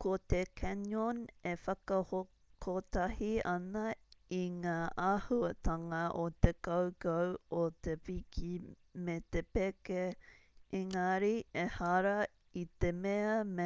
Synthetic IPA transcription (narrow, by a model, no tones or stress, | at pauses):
kot̪ekʰɛnonefɐkɐho | kʰot̪ɐhiɐnɐiŋaːʔahuɐt̪ɐŋɐʔot̪ekɐwkɐwot̪epikʰi | met̪epeke | ʔiŋaɾiehɐɾɐ | it̪emeɐme